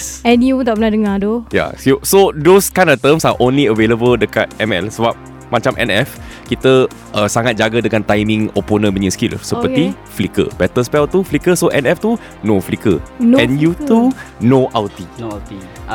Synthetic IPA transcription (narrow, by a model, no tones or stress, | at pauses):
ɛnjut̪apənadəŋadoja̰susodoskajnɔft̪əmsaʔõnliəveləbəldəka̰t̪̚ɛmɛ̰lsəbap̚ | mat͡ʃamʔɛ̰nɛf | kit̪ə | ʔəsaŋat̪̚d͡ʒaɡədəŋãnt̪ajmĩŋo̰ponə̃məɲəskilsəət̪i | flikə̰bɛt̪əspɛlt̪uflikəsoʔɛnɛft̪u | noflikə̰ɛ̃njut̪unoʔalt̪it̪i